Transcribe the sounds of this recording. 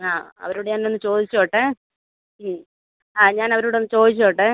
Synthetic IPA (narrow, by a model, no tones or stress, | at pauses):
aːɐ̰ʋɐɾoːɽeɲaːnːeonːɨt͡ɕo̞ːd̪it͡ɕːoːʈːɨ | aːɲaːnɐʋɐɾoːɽenːɨt͡ɕo̞ːd̪it͡ɕːoːʈːɨ